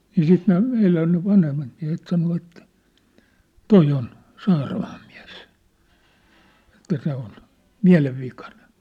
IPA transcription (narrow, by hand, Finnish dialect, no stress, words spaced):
niː siːt ne meilæn ne ʋɑnhemːɑt miæ̝het sɑno etːæ̥ toi on sɑːrɑmɑːm miæ̝s etːæ se on miæ̝leʋːikɑne̥n̥